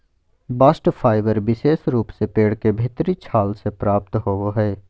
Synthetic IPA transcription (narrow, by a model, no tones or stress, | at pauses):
baːsʈfʰaːɪʋəɾbɪseːsɾuːpsepeːɽkebʱɪt̪ɾit͡ʃʰaːlsepɾaːp̚t̪ɦoːʋoɦɛː